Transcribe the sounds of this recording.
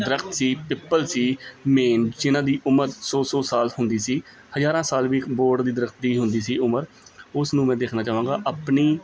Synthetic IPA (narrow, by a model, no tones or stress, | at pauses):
d̪əɾəkt̪siːpɪpːəlsiːmeːnd͡ʒɪnãːd̪iːʔʊməɾsoːsoːsaːlhʊnd̪iːsiː | həzaːɾãːsaːlʋiːboːɾɖd̪iːd̪əɾəkt̪̚d̪iːɦʊnd̪iːsiːʊməɾ | ʊsnũːmɛ̃ːd̪eːkʰnaːt͡ʃaːʋãːɡaːʔaːpniː